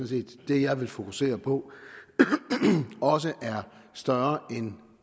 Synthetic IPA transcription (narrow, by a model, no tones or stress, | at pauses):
ɔnse̝̰ːd̥ːe̝jɑ̈ɪʋe̝lfo̝kʰuse̝̰ːɐpʰɒ̽ | ɒ̽s̬əʔæɐsd̥ɶɐɐen